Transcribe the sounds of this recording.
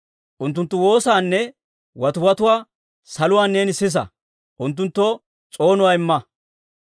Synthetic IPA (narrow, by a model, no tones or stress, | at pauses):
ʔʊnt̪ːʊnt̪ːʊwo̞ːsaːnːɛ | wɐt̪ʊwɐt̪ʊwaː | sɐlʊwaːnːeːnɪsɪs̬ɐ̰ | ʔʊnt̪̬ːʊnt̪ːɔ | t͡sʼo̞ːnʊwaːɪmːɐ